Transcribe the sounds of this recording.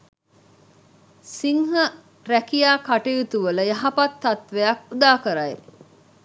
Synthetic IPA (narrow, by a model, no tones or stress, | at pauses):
siŋɦə | ɾækijaːkaʈejut̪uʋələjɐɦɐpat̪ːɐt̪ʋejakud̪aːkəɾae